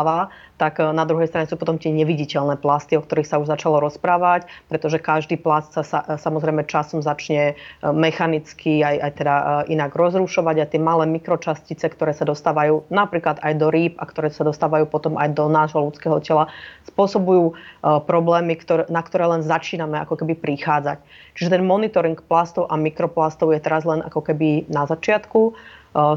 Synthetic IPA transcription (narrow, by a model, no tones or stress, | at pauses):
ʋat̪aɡnad̪ɾuɦɛjst̪ɾaɲɛsuːpɔt̪ɔmt̪ɪɛɲɛʋiɟicɛʎnɛːplast̪iɔk̚t̪ɔɾixsauʒzat͡ʃalɔɾɔspɾaːʋacpɾɛt̪ɔʒɛkaʒd̪iːplast̪sasasamɔzɾɛjmɛt͡ʃasɔmzat͡ʃɲɛmɛxanit͡skʰiajajt̪ɛd̪aʔinaɡɾɔzɾuʃɔʋaɟajt̪ɪɛmalɛːmikɾɔt͡ʃascit͡sɛkt̪ɔɾɛːsad̪ɔst̪aːʋajuːnapɾiːklad̪ajd̪ɔɾiːpakt̪ɔɾɛːsad̪ɔst̪aːʋajuːpɔt̪ɔmʔa̰jd̪ɔnaːʒɦɔlut͡skɛːɦɔcɛlaspʊɔsɔbujuːpɾɔblɛːmikt̪ɔɾnakt̪ɔɾɛːlɛnzat͡ʃiːnamɛa̰kɔkɛbipɾixaːd͡zact͡ʃiʒɛt̪ɛnmɔnit̪ɔɾiŋkplast̪ɔʊʔamikɾɔplast̪ɔʊjɛt̪ɛɾazlɛnʔa̰kɔkɛbinazat͡ʃɪat̪ku